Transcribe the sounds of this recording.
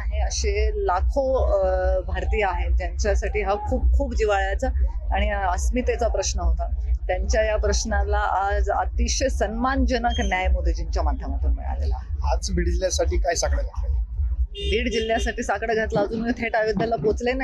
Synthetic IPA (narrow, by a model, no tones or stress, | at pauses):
aɦeəɕelakʰo | bʱaɾt̪iːjəaɦet̪jaɲt͡ɕjasaʈiːɦakʰuːp̚kʰuːpd͡ʑiʋaɭjat͡saːɽ̃iəsmit̪et͡sapɾəɕnəɦot̪at̪jaɲt͡ɕjajapɾəɕnalaʔad͡za̰t̪iɕəsənmand͡ʑənəknjajmod̪ʱed͡ʑiɲt͡ɕjamad̪ʱjəm̤əʈ̪uːnmə̰ɭa̰lela̰ad͡zbʱiːɽd͡ʑiljasaʈiːkajsakɽəɡʱat̪le | bʱiːɽd͡ʑil̤jasaʈiːsakɽəɡʱat̪laːd͡zuːnməjt̪ʰeʈajud̪ʱjalabot͡slena